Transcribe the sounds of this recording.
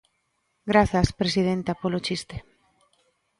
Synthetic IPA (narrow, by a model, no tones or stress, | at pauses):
ɡɾaθɐspɾesið̞ent̪apolot͡ʃist̪e̥